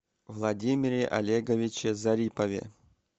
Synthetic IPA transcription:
vlˠɐdʲimʲɪɾʲɪʔɐ̰lʲeɡɐvʲɪt͡ɕɪzɐɾʲipɐvʲḛ

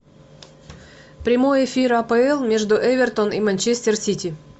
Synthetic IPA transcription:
pɾʲɪmo̞jɪfʲiɾɐpəɛlˠmʲe̞ʐd̪ʊʔɛvʲɪrt̪onimɐnʲt͡ɕesʲt̪ʲɪrsʲitʲi

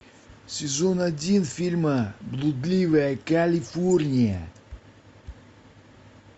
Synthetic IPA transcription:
sʲɪzonadʲinfʲilʲməblˠud̪lʲivəjəkalʲifornʲijə

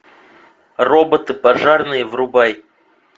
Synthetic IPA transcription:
robət̪ɨpaʐarnɨjəvrubaj

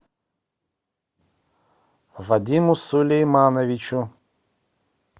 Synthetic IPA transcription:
vɐd̪ʲimʊsulʲejmanɐvʲit͡ʃʊ

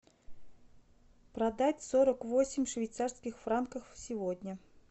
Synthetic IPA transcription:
pɾɐd̪atʲsoɾəkvosʲɪmʲfʂvʲɪjt̪sarskʲɪxfrankəfsʲɪvodʲnʲə

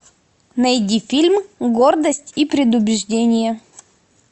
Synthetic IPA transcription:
nɐjdʲifʲilʲmɡord̪əsʲtʲipɾʲɪd̪ʊbʲɪʐdʲenʲɪjə

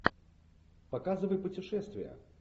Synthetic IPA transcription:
pɐkazɨvəjpʊtʲɪʂɛst̪vʲɪjə̰

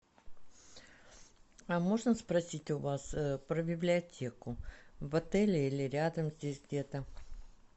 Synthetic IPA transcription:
ɐmo̞ʐnəspɾɐsʲitʲʊvaspɾəbʲɪblʲɪɐtʲe̞kʊvɐt̪ɛlʲɪilʲɪɾʲad̪əmzʲdʲesʲɡdʲe̞t̪ə

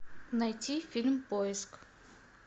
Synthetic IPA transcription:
nɐjtʲifʲilʲmpojɪsk

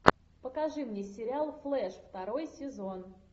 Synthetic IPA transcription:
pəkɐʐɨmnʲesʲɪɾʲɪalˠflˠɛʂft̪ɐɾo̞jsʲɪzo̞n

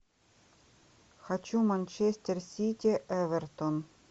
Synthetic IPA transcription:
xat͡ɕumɐnʲt͡ɕesʲt̪ʲersʲitʲɪʔɛvʲɛrt̪on

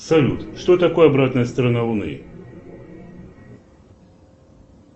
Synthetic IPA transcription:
sɐlʲṵt̪ʂt̪ot̪ɐko̞jɐbɾat̪nəjəst̪ɾɐnalˠʊnɨ̰

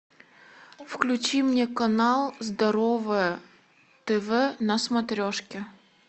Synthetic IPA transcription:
fklʲʉt͡ɕimnʲekɐnalˠzd̪ɐɾovɨjə | t̪ɛvɛnɐsmɐt̪ɾʲoʂkʲɪ

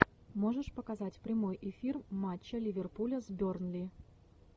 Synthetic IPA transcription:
moʐɨʂpəkazatʲpɾʲɪmo̞jʔɪfʲirmat͡ɕːəlʲɪvʲerpulʲəzbʲornlʲi

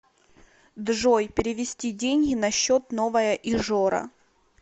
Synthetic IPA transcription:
d̪ʐojpʲɪɾʲɪvʲɪsʲtʲidʲenʲɡʲɪnɐɕːot̪novəjəʔɪʐoɾɐ̰

